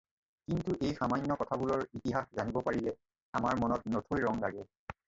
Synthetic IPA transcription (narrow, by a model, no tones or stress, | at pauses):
kintuʔejxamaɲːɔkɔtʰabulɔɹitiɦaxzanibɔpaɹilɛ | amaɹmɔnɔt̚notʰojɹɔŋlaɡɛ